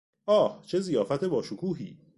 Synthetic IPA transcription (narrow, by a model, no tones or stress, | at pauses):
ʔɒːht͡ʃʰe̞zijɒːfæt̪ʰebɒːʃokʰuːɦḭː